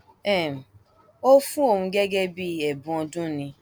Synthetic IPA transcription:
ɛ˦˨m̩˨ | o˦fũ˦o˨mũ˧˦ɡe˦ɡe˦bi˦e˨bũ˦ɔ˧dũ˦nĩ˧

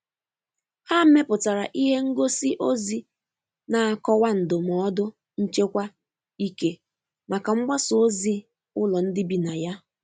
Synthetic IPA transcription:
ha˦m̩˦me˦pʊ˨ta˨ɾa˨ʔi˦ɦe˦ŋ̩˦ɡo˦si˦ʔo˦zi˦ | na˨a˨kɔ˦wa˦n̩˨dʊ˨m̩˨˦dʊ˦ | n̩˦t͡ʃe˦kʷa˦ | i˦ke˦ | ma˨ka˨ŋ͡m̩˦ɡ͡ba˦sʊ˨o˦zi˦ | ʊ˦lɔ˨n̩˦dɪ˦bi˨na˨ja˦

